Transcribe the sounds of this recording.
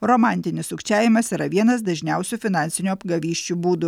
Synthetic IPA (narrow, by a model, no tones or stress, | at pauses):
ɾoːmɑˑnʲt̪ʲɪnʲɪsʊkʲt͡ʃʲæːʋʲɪmɐsiːɾɐʋʲiɛnɐs̬d̪ɐʒʲnʲɛʊsʲuːfʲɪnɑnʲsʲɪnʲuɐbɡɐʋʲiːʃʲt͡ʃʲuːbuːd̪ʊ